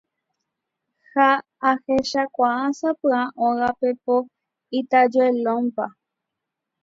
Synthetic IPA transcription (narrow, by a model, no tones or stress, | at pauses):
haː | heʃakʷaãsapɨãʔõɣapepo | it̪ad͡ʒoelõmpa